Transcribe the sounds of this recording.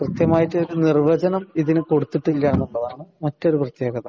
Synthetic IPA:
krɨt̪jɐmaːjiʈːɨoɾunirʋɐd͡ʑɐnɐmiðinɨko̞ɽut̪ːiʈːilːɐenːuɭːɐðaːɳɨmɐtːo̞ɾuprɐt̪je̞ːɡɐðɐ̰

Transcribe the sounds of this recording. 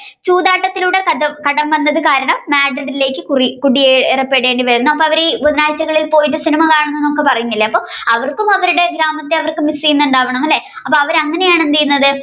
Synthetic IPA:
t͡ɕuːðaːʈːɐt̪ːiluɽe̞kɐɐkɐɽɐmʋɐnːɐðɨkaːɾɐɳɐmːaːɖrɐɽile̞ːkʲːɨkurikuɽieerɐpːeːɽeːɳɖiʋɐɾunːuɐpːoːɐʋɐɾeboðɐnaːjt͡ɕːɐɣɐɭilpo̞ːjiʈ̬ːɨsinimɐkaːɳɐnːenːokːepɐrɐjunːilːɐɐpːo̞ːɐʋɐrkumɐʋɐɾuɽe̞ɡɾaːmɐt̪ːeɐʋɐrkɨmisijunːuɳɖaːʋɐɳɐmɐlːe | ɐpːoɐʋɐɾɐŋːɐne̞jaːɳend̪ijunːɐðɨ

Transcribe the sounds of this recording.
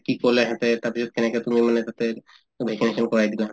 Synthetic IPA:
kioleɦɛ̃t̪et̪apit͡ʃʰɔt̪̚keneket̪umimanet̪at̪eɾ | bʱekineʃɔnkɔɾajd̪ileɦã

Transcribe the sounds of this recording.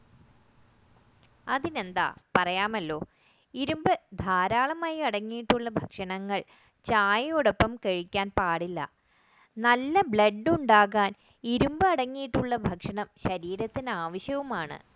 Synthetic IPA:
ɐðine̞nd̪a̰ːpɐrɐjaːmɐlːo̞ː | iɾumbɨd̪ʱaːɾaːɭɐmaːjiɐɽɐŋːijiʈːuɭːɐbʱɐkʂɐɳɐŋːɐɭ | t͡ɕaːjɐjoɽɐpːɐmkɐɻikʲːaːnpaːɽilːɐ̰ | nɐlːɐbɭɐɖːɨuɳɖaːɣaːn | iɾumbɨɐɽɐŋːijiʈːuɭːɐbʱɐkʂɐɳɐmɕɐɾiːɾɐt̪ːinɨaːʋɐɕjɐʋumaːɳɨ̰

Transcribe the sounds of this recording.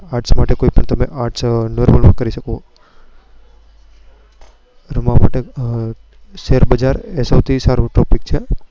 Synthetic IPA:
aːʈsmaːʈekoːipəɳt̪ɐmẽʔaːɾʈsnoɾməlmãkəɾisəko | ɾəmãma̰ʈe | ʃeːɾbəd͡ʒaːɾesoːt̪ʰisaːɾuʈɔpɪk̚t͡ʃʰe

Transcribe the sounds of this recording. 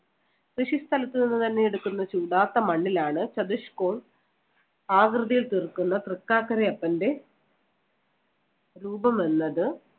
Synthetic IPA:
krɨʂist̪ʰɐlɐt̪ːɨninːɨt̪ɐnːe̞jeɽukːunːɐt͡ɕuːɽaːt̪ːɐmɐɳːilaːɳɨt͡ɕɐd̪uʂkoːm | aːɡrɨðɐjilt̪irkːunːɐt̪rikːaːkːɐɾeɐpːɐnde̞ | ɾuːbɐmʋenːɐðɨ

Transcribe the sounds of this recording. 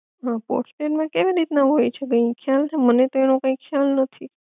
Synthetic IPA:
ɦãpo̰ɾsʈeʈmãkeʋiɾit̪naɦojt͡ʃʰeɡə̃ĩkʰjalt̪amənet̪oenõkãĩkʰjalnət̪ʰi

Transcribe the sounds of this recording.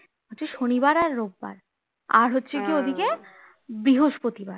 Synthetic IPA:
ɦotːɕʰeʃoniβaɾaɾːob̚ːa̰ɾ | a̰ɾɦotːɕʰekiod̪ʱike | bɾiɦoʃpot̪ibaɾ

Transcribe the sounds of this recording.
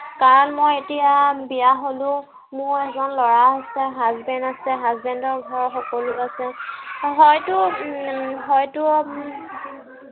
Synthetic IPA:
kaɹɔnmojetijabijaɦolʊ̃ | mʊɹɛzɔnlɔɹaasɛɦazbɛndasɛɦazbɛndɔɹɡʱɔɹɔxɔkɔlʊasɛɦɔjtʊ | ɦɔjtʊ

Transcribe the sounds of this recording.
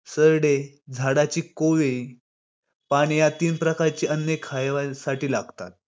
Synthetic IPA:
səɾɽe | d͡zʱaɽat͡ɕiːkoʋej | paɽ̃ijat̪iːnpɾəkaɾt͡ɕiːʔənːekʰajʋasaʈiːlaɡt̪a̰t̪̚

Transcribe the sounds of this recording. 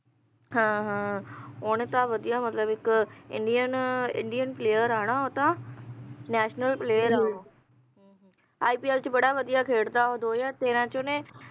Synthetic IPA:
ɦãːɦãːoñet̪ãʋəd̪ijamət̪ləbɪkɪ̰̃ɳɖijənɪ̰̃ɳɖijənpleːjəɾaːɽ̃aːot̪ã | nɛːʃnəlpleːjəɾəɦoː | ɦ | aːiːpiːɛːlt͡ʃbəɽaːʋəd̪ijakʰeːɽd̪aɦod̪oːjaːt̪eːɾãːt͡ʃonẽː

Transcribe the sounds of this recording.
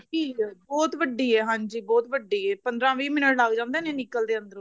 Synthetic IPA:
iːbɔːt̪ʋəɖːiːɛːɦãːɲd͡ʒiːbɔːt̪ʋəɖːiːɛːpənd̪ɾãːʋiːmɪnəʈlaːɡd͡ʒãːnd̪eːnẽːnɪkːəld̪eːə̃nd̪əɾ̃

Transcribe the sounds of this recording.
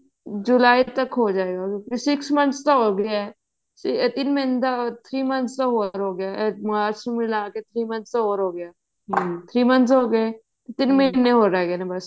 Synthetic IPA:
d͡ʒulaːit̪ɐkɦod͡ʒaːeːɡakjõːkisɪksmɐnt̪st̪aɦoɡɐjaɛ | sɪt̪ɪnmɐɪnd̪at̪ʰɾiːmɐnst̪aɦoːɾɦoːɡɪjaːmaːɾsumɪlaːket̪ʰɾiːmɐ̃nsaɦoːɾɦoːɡɪjaː | t̪ʰɾiːmɐnsɦoːɡəe | t̪ɪnmɐɦnːeɦoːɾaɡenãbɐs

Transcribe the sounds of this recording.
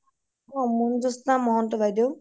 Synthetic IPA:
ɔmundusnamɔɦɔntɔbʱajd̪ew

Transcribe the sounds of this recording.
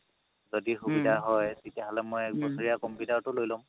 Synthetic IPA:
zɔdixubidʱaɦɔjtetiaɦɔlɛmojɛk̚bɔsɔɹijakɔmpitaɹtʊlojlɔm

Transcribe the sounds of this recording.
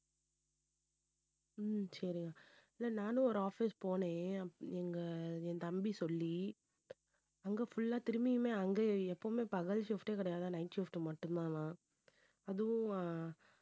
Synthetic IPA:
sɐɾɪŋɡɐɪlːɐnaːnɯ̃ɔɾɯaːfispoːnẽːɛŋɡɐɛ̃ːt̪ɐmbisɔlːi | ɐŋɡɐfʊɭːaːt̪ɪɾɯmɪjɯmeːɐŋɡeɛpːoːmeːpɐɣɐlfɪfʈeːkɪɽɐjaːðãːnɐɪnʈʃɪfʈɯmɐʈːɯnd̪ãːlãː | ɐðɯʊ̃

